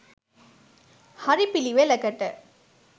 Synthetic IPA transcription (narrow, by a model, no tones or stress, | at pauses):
hɐɾipiliʋeːlɐkɐʈːɐ